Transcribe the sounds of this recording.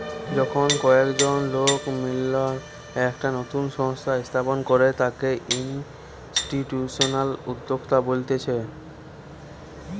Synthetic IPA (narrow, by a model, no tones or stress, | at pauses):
d͡ʑɔkʰɔnkɔekd͡ʑɔnlokmila | ɛkʈanot̪unʃɔŋst̪ʰaist̪ʰaponkɔɾet̪akeʔin | sʈiʈjusɔnalud̪ːokt̪abolt̪et͡ɕʰe